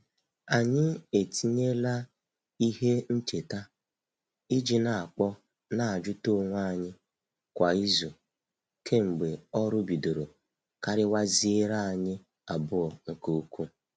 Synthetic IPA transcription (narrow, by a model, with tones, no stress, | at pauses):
a˨ɲɪ˦e˨ti˦ɲe˦la˦ | i˦ɦe˦n̩˦t͡ʃe˨ta˦ | i˦d͡ʒi˨na˨a˨k͡pɔ˦ | na˨a˨d͡ʒʊ˦to˦ŋʷa˦˨ɲɪ˦ | kʷa˨i˦zu˨ | kʰe˦ŋ͡m̩˨ɡ͡be˨ɔ˦ɾʊ˦bi˨do˨ɾo˨ | ka˦ɾɪ˦wa˦zi˦e˦ɾa˦a˨ɲɪ˦ | a˨bʊ˦ɔ˨ŋ̩˨ko˦kʷu˦